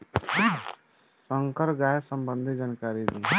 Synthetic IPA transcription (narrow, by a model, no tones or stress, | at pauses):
səŋkəɾɡasəmbənd̪ʱid͡ʒankaɾid̪i